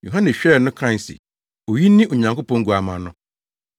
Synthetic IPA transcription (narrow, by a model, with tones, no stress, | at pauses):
ju˨ɦã˦nɛ˨ɕᶣɛ˦˨nʊ̃˦kʰɾa˦˨sḭ˨ | o˨ji˦nɪ̃˦ʔo˨ɲã˨ŋko˦pʰɔ̃˦ŋ̩˦ɡu˨a˨mã˨nʊ̃˦